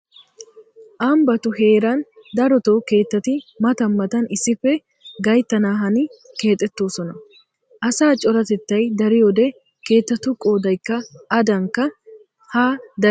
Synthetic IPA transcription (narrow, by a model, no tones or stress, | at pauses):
ʔambɐt̪ʊɦe̞ːɾɐnd̪ɐɾɔt̪oːke̞ːt̪ːɐt̪ɪmɐt̪ɐmːɐt̪ɐnɪsɪfːɛ | ɡɐjt̪ːɐnaːɦɐnɪke̞ːt̪ʼːɛt̪ːoːsɔnɐ | ʔɐsaːt͡ʃʼɔɾɐt̪ɛt̪ːɐjd̪ɐɾɪjoːd̪ɛ | ke̞ːt̪ːɐt̪ʊkʼo̞ːd̪ɐjkːɐʔːd̪ɐŋkːɐ | haːd̪ɐ